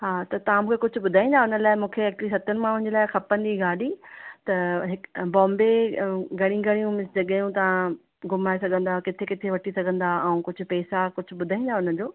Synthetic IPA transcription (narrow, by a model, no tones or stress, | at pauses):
ɦaːt̪ɐt̪ɐʋ̤ãmũːkʰekʊd͡ʑʱʊ̆ɓʊd̪ʱaːĩːnd̪aɦʊnə̆laːɪmũːkʰeɐk̚t͡ɕlisɐt̪ʰən̆mãʊ̃ɲ̆d͡ʑelaːɪxɐpə̃nd̪iɡaːɗit̪ɐɦɪkbɔ̃ːmbeɡʱɐɽ̃ĩɡʱɐɽ̃ijũmɪsd͡ʑɐɠjũt̪ɐʋã | ɡʊmaːesɐɡʱə̃nd̪akɪt̪ʰekɪt̪ʰeʋɐʈʰisɐɡʱə̃nd̪aɐ̃ũkʊd͡ʑʱʊ̆pɛːsakʊd͡ʑʱʊ̆ɓʊd̪ʱaːĩːnd̪aʊnəd͡ʑoː